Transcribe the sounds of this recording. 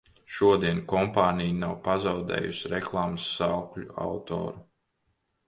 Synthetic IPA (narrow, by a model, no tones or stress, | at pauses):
ʃuɔd̪iɛnkɔmpaːnʲijnawpazawd̪ɛ̰ːjṵsiɾɛklˠaːmsːawklʲua̰wt̪o̰ːɾu